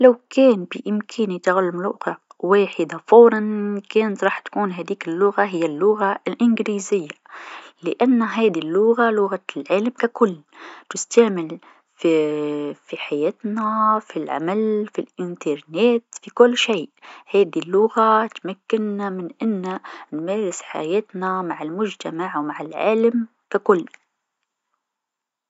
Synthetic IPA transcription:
lawkeːnbiʔɪmkʰeːnit̪aɣlːamlṵqɑʕwaːħɪd̪afoːɾˤɑnkeːnat̪ɾˤɑːħt̪ḁkuːnɦæːd̪iːkɪlːʊɣaɦɪjːalːʊɣalʔɪnɡliːzɪjːalɪʔanːaɦæːd̪ilːʊɣalʊɣalʕaːlamkakʊlːt̪ɪst̪aʕmɪl | fifiħajeːt̪nafilʕa̰malfilʔɪnt̪ɑɾˤneːt̪fikʊlːʃeːʔhaːd̪ilːʊɣat̪makːɪnamɪnʔɪnːanmeːɾɪsħa̰jeːt̪namaʕɪlmʊʒt̪amaʕwmaʕɪlʕa̰ːlam | kakʊlː

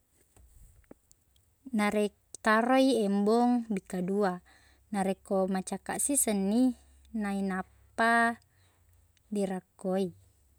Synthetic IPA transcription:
naɾɛk | t̪aɾoiɛmbɔŋbikadua | naɾekomat͡ʃaka̰ʔsisənːi | nainapː | a | diɾakːoi

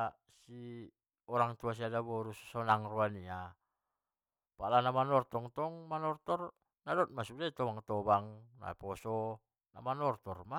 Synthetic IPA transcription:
si | ɔɾaŋt̪uas̬iadabɔɾussɔnaŋruania | paʔlanamanɔrt̪ɔŋt̪ɔŋmanɔrt̪ɔr | nadɔt̪̚masudait̪ɔβaŋt̪ɔbaŋna̰pɔsɔ | na̰manɔrt̪ɔrma

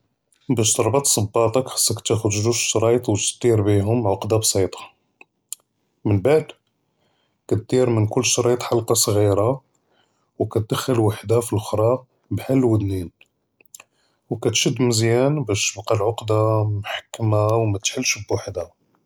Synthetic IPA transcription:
bæʃt̪ɑɾˤbɑt̪ˤsˤɑbːɑt̪ˤɑkħḁsːakt̪æxʊd̪ʒuʃʃɾˤɑjt̪ˤwt̪st̪ˤiɾbiɦʊmʕʊqd̪absˤit̪ˤɑ̥ | mənbaʕd̪ | kæt̪̚d̪̥iɾmənkʊlːʃɾˤɑjt̪ˤħalqɑsˤɣiɾa | wkæt̪̚d̪əxəlwaħd̪afilʔʊxɾˤɑ | bħalːwəd̪nin | wkæt̪ʃəd̪ːməzjænbæʃt̪əbqɑlʕʊqd̪amħḁkːmawmæt̪ħəlːʃbwaħd̪a

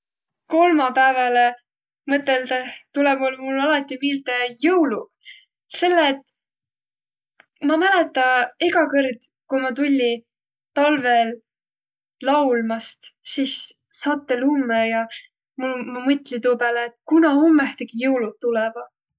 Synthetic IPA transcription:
ko̞lmɑpæːvɑle | mɤt̪ːˑeld̪ɑt̪ulebolmulːɑlɑt̪ːˑimilt̪ejɤwlu̥ | se̞lːeːt̪ːˑ | mɑmælet̪ːˑɑeɡɑkɤrd̪kujmɑt̪ulʲːi | t̪ɑlvelː | ɑwlmɑst̪sis | sɑːt̪ːe̞lumːejɑ | mulmɑmɤt̪ːˑlit̪oːpæːleːt̪̚ːˑkunɑomːeht̪eɡ̥ijɤwlut̪̚t̪ːulɛvɑ

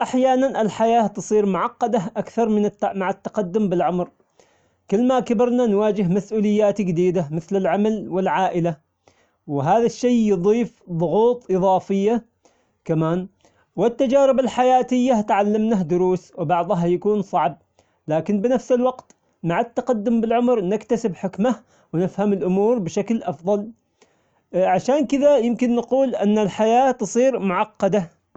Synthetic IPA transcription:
ʔaħjaːnanʔɪlħajaːt̪ɨsˤiːɾmʊʕɑqːɑd̪aʔakθɑɾˤmɪnmaʕat̪ːɑ̥qɑd̪ːʊmbɪlʕʊmɾ | kɪlːmakabɪɾnanwaːd͡ʒɪɦmasʔuːlɪjːaːt̪d͡ʒɪd̪iːd̪amɪθlɪlʕamalwɪlʕaːʔɪla | wɪɦaːðaʃːajjɨðˤiːfðˤʊɣuːt̪ˤʔɨðˤɑːfɪjːa | kamaːn | wɪt̪ːad͡ʒaːɾɪbalħajaːt̪ɪjːat̪ʕalːamnahd̪ʊɾuːswɪbɑʕðˤɦɑjakuːnsˤɑʕb̚ | laːkɪnbɪnafsɪlwɑɡt̪ | maʕat̪ːɑqad̪ːʊmbɪlʕʊmɾnɪkt̪asɪbħɪkma | wɪnɪfhamɪlʔʊmuːɾbɪʃaklʔɑfðˤɑl | ʕaʃaːnkɪðajɪmkɪnːɑquːlʔɪ̰nːalħajaːt̪ɨsˤiːɾmʊʕɑqːɑd̪a

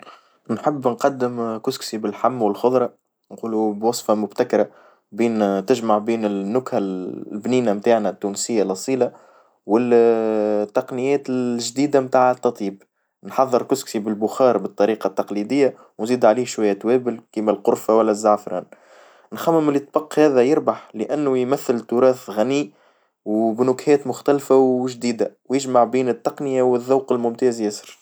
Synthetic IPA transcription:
nħɪbːnqɑd̪ːɪmkʊsksibɪlħamːwɪlxʊðˤɾˤɑ | nquːlubwɑsˤfɑmʊbt̪akɾˤɑ | biːnt̪ɪʒmaʕbiːnɪnːʊkhalbniːnamt̪aːʕnæt̪ːuːnsɪjːalʔɑsˤiːla | wɪl | t̪ːɑqnɪjɛːt̪ɪlʒd̪iːd̪amt̪aːʕt̪ːɑt̪ˤiːb̚ | nħɑðˤːəɾkʊsksibɪlbʊxɑːɾˤbət̪ˤːɑɾiːqɑt̪ːɑqlid̪ɪjːa | wnziːd̪ʕaliːhʃwæjːæt̪wɛːbɪlkiːmælqʊɾˤfawælːæzːaʕfɾˤɑ̰ːn | nxæmːɪmɪlɪt̪ːbɑqːhɛːðɛjɪɾbaħləʔænːujmæθːɪlt̪ʊɾɑːθɣæniː | wbnʊkhɛːt̪mʊxt̪ælfawʒd̪iːd̪awjɪʒmaʕbiːnɪt̪ːɑqnɪjawɪðːaːqɪlmʊmt̪ɛːzjæsə̥ɾ

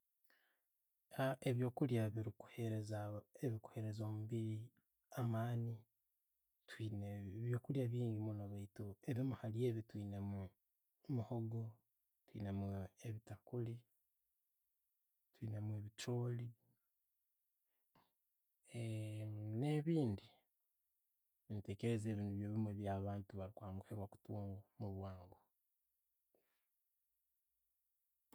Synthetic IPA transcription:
aeβjo̞ːkuljaβiɾiku̥heezaeβiku̥he̞ɾe̞zoːmuβiɾi | amaːni | twinβjoːkuljaβiːŋɡimunoβaitoeβjomuhalije̞ːβitwiːnemu | muhoɡo̞ | twḭːnemueβitakuli | twiːnamuwe̞βit͡ʃoːli | ne̞βiːndi | βinite̞keɾezeːβiːnduβjoːβimweβjaβaːntuβaɾikwaːŋɡuheβwaku̥tuːŋɡomuβwaːŋɡo

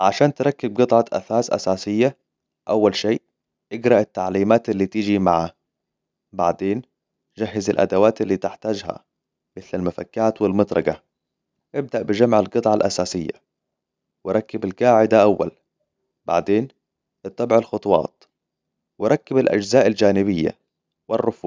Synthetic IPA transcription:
ʕaʃaːnt̪ɾˤɑkːɪb̚ɡɨt̪ˤʕɑʔa̰faːsʔa̰saːsɪjːa | ʔawːalʃeːʔ | ʔɪɡɾˤɑʔɪt̪ːaʕliːmaːt̪ɪlːiːt̪ɪd͡ʒimaʕa | ba̰ʕd̪eːn | d͡ʒaɦːɪzɪ̰lʔa̰d̪awaːt̪ɪlːiːt̪ɪħt̪aːd͡ʒha̰ | mɪθlalmafakːaːt̪wɪlmɑt̪ɾˤɑɡa | ʔɪb̚d̪aʔbɪd͡ʒamʕɪlɡɨt̪ˤʕɑlʔasaːsɪjːa̰ | wɪɾˤɑkːɪbalɡaːʕɪd̪aʔawːa̰l | ba̰ʕd̪eːn | ɨt̪ˤːɑbʕɪlxʊt̪ˤwɑ̰ːt̪̚ˤ | wɪɾˤɑkːɪbalʔa̰d͡ʒzaːʔald͡ʒaːnɪβɪjːa̰ | wɪrːʊfuː

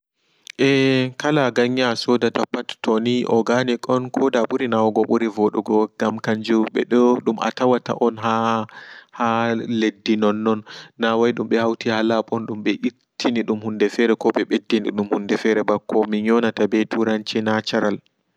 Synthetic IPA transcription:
ʔɛkalaɡaɲːasɔdatapːattɔniʔɔɡanikʼɔnkʰɔdaɓuɾinawaɡɔɓuɾivɔɗuɡɔɡ̥amkaɲd͡ʒuɓɛɗɔɗuma̰tawata̰ʔɔnɦa | haledːinɔnːɔnːawajɗumɓɛhawtihalaɓɔnɗumɓɛʔi | tʰːiniɗumhundɛfɛɾɛkɔɓɛɓedːiniɗumhundɛfɛɾɛbakːɔmiɲɔnatabɛtʰuɾant͡ʃinat͡ʃaɾal

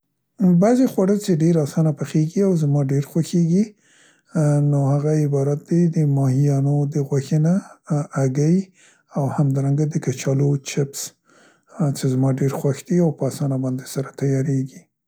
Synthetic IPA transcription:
bazexwaɽəlt͡ʃeɖeɾɑsɑnapaxeɡiawzmɑɖeɾxwaxeɡi | nohaɣaɪbɑɾat̪̚d̪ed̪əmɑhijɑnod̪əɣwaxənaː | ɡaj | awhamd̪ɑɾaŋɡad̪əkat͡ʃɑlot͡ʃɪps | t͡ʃezmɑɖeɾxwaxd̪̥iawpəɑsɑnabɑnd̪esaɾat̪ajɑɾeɡi

